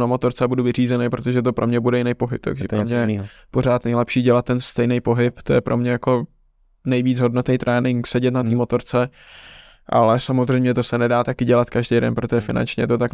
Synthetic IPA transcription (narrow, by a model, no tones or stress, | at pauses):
namot̪o̞ɾt͡sɛbuduvɪriːzɛnɛjpɾot̪oʒɛt̪o̞pɾo̞mɲɛbudɛjɪnɛjpo̞ɦɪp̚t̪a̰ɡʒɛt̪ɾomɲɛjɛipo̞r̝aːt̪nɛjlɛpʃiːɟɛlat̪̚ːɛnst̪ɛjnɛjpo̞ɦɪpt̪ojɛpɾo̞mɲɛjako̞ | nɛjviːd͡zɦo̞dnot̪ɛjt̪ɾʔɛːnɪŋksɛɟɛt̪nat̪iːmo̞t̪o̞ɾt͡sɛ | ʔa̰lɛsamozr̝ɛjmɲɛt̪o̞sɛnɛdaːt̪akɪɟɛlat̪kaʒdejdɛ̰npɾot̪oʒɛfɪna̰nt͡ʃɲɛ̰t̪ot̪ak